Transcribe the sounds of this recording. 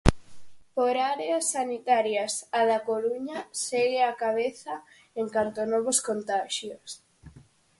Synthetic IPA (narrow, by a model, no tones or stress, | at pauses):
poɾaɾeasːanit̪aɾjasaðakoluɲaseɣeakaβeθa | eŋkant̪onɔβoskont̪aʃjos